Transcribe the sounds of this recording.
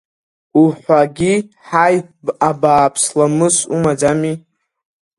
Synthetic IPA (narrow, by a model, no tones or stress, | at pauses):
uħʷaɡʲi | ħajabaːpʰslamɨsumad͡zami